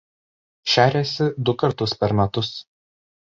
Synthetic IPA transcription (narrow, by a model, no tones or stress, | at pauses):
ʃʲæːɾʲɛːsʲɪd̪ʊkɐɾt̪ʊspʲɛɾmʲɛt̪ʊs